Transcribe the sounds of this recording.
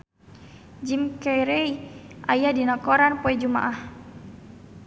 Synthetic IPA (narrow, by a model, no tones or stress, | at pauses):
d͡ʒimkɛjɾeiʔajadinɔkɔɾanpɔɛd͡ʒuma̰ʔah